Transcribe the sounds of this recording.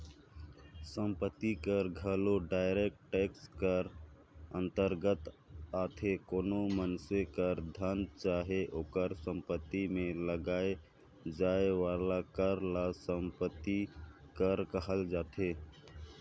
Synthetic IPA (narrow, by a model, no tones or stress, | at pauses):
sə̃mpət̪ːikəɾɡʱəloɖaːɪɾek̚ʈʈeːkskəɾ | ə̃nt̪əɾɡət̪ | aːt̪ʰekoːnomənsekəɾd̪ʱənt͡ʃaːɦeʔoːkəɾsə̃mpət̪ːimẽləɡaːe | d͡ʒaːeʋaːlakəɾlasəmpət̪ːi | kəɾkəɦəld͡ʒaːt̪ʰeː